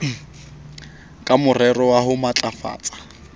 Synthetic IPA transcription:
kʼamʊrɛrɔwaɦʊmat͡ɬʼafa̰ːt͡sʼḁ

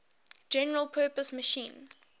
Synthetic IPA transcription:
d͡ʒɛnəɹəlˠpʰɜːpəsməʃĩːn

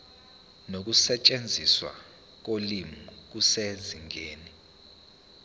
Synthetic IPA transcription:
nok̬usɛt͡ʃʼend͡zʱiswa̰ | k̬olimuk̬useziŋeːni

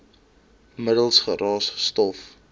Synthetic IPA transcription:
mədəlˠsχəɾɑːsstɔf

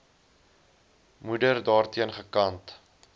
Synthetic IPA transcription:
mudərdɑːrtiənχəkɐnt

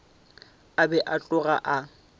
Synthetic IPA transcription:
abɛʔat͡ɬʼʊɣaʔa

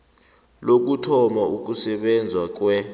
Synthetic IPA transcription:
lok̬utʰɔmauk̬usɛɓɛnd͡zʱwak̬wɛ

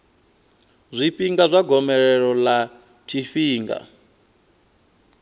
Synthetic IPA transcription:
zʷiɸiŋɡazʷaɡɔmɛɾɛɺɔla | t͡ʃʰiɸiːŋɡa̰

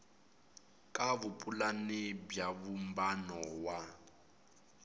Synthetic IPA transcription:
kʼaβupʼulanebjaβum̩banɔwa

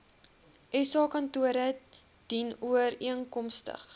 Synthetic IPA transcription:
ʔɛsɑːkɐntuəɾə | d̥inuəɾiəŋkɔmstə̰χ

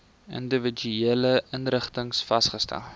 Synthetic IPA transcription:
ə̰ndəvəd͡ʒyeːləʔənrəχtəŋsfɐsχəstæ̰lˠ

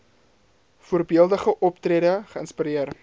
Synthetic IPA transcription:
fuːərbiəlˠdəχəʔɔptreːdəχəənspiɾiər

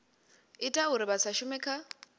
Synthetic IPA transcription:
ɪtʼaɦuɾɪβasaʃʊmɛkʰa

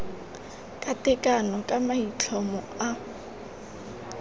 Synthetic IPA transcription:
kʼatɪkʼanɔkʼamait͡ɬʰɔmɔ | a

